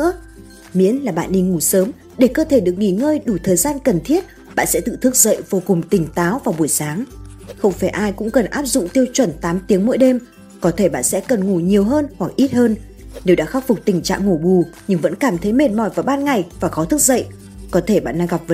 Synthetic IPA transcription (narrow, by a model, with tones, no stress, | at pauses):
ɨ̰˧˥ə | mḭ˧˥ənlaː˨˩ɓa̰ː˧˨nɗi˧ŋu˧˩səː˨˦m | ɗe˧˩kəː˧t̪ʰe˧˩ɗɨ˨˩ək̚ŋḭ˧˩ŋəː˧jɗu˧˩t̪ʰəː˨˩jzaː˧nkə˨˩nt̪ʰi˦˥ət̚ | ɓa̰ː˧˨nsɛ̰˧˥t̪ɨ̰˧˨t̪ʰɨ˦˥k̚zə̰˧˨jvo˧kʊ˨˩ŋ͡mt̪ï˨˩ŋ̟t̪aː˨˦wvaː˨˩wɓu˧˩əjsaː˨˦ŋ | xə˧wŋ͡mfaː˧˩jʔaː˧jkʊ̰˧˥ŋ͡mkə˨˩nʔaː˦˥p̚zʊ̰˧˨ŋ͡mt̪i˧əwt͡ɕwə˧˩nt̪aː˨˦mt̪i˨˦əŋmo̰˧˥˦jɗe˧m | kɔ˨˦t̪ʰe˧˩ɓa̰ː˧˨nsɛ̰˧˥kə˨˩nŋu˧˩ɲi˨˩əwɦəː˧nhwa˨˩k̚ʔi˦˥t̚həː˧n | ɗe˨˩wɗa̰ː˧˥xaː˦˥k̚fʊ˨˩k͡p̚t̪ï˨˩ŋ̟t͡ɕa̰ː˧˨ŋŋo˧˩ɓu˨˩ɲɨ˧ŋvə̰˧˥nkaː˧˩mt̪ʰə˨˦jme˨˩t̚mɔ˧˩jvaː˨˩wɓaː˧nŋa˨˩jvaː˨˩xɔ˨˦t̪ʰɨ˦˥k̚zə̰˧˨jʔ | kɔ˨˦t̪ʰe˧˩ɓa̰ː˧˨nːɗaː˧ŋɣa˨˩p̚və˨